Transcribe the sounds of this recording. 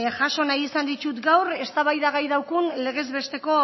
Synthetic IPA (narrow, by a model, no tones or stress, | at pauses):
xaʃo̞najisand̪it͡ʃut̪ɡawɾe̞st̪aβajðaɣajðawkunle̞ɣ̞e̞zβe̞st̪e̞ko̞